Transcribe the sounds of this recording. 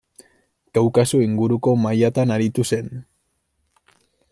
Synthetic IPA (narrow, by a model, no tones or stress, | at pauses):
kawkasoiŋɡuɾuko̞majat̪anaɾit̪use̞n